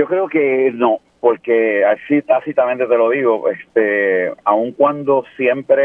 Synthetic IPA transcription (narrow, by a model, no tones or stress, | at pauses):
o̞kɾeokenõ | poɾke̞asit̪asit̪ament̪e̞t̪e̞loðiɣo̞ʔest̪eauŋkwand̪o̞sjempɾe